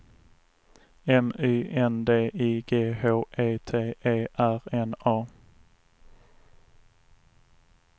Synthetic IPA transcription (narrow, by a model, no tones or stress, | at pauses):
ɛmyːʔɛnd̪eːʔiːɡeːhoːʔeːt̪ʰeːeːʔæɾɛnɑː